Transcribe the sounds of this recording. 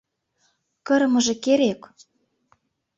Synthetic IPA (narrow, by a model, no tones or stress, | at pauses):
kɤ̆ɾɤ̆mɤ̆ʒĕkeɾek